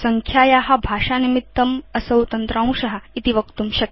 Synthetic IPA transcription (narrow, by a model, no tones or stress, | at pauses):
sɐŋkʰjaːjaːɦɐ̆bʱaːʂaːnimit̪ːɐmɐsɐwt̪ɐnt̪ɾãːw̃ʃɐɦɐ̆it̪iʋɐkt̪umʃɐk